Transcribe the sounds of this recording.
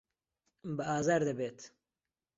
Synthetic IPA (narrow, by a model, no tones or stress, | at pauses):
bɨaːzaːɾd̪ɐbeːt̪